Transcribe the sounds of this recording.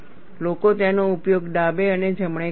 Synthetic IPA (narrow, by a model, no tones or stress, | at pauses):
lokot̪janoupjoɡd̪abeəned͡ʒʱəmɳe